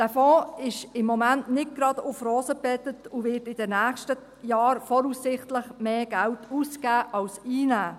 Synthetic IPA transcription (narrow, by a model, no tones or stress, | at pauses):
d̥æːfɔ̃ːɪʃɪmːɔmæntnɪt̚ɡ̥ɾɑd̥̪ʊfɾoːzəpɛtətʊʋɪːtɪd̥ɛnæːχʃtə | jɑːɾfɔɾusːɪχtləχmeːɡ̥æwtuːskæːʔɑwsiːnæː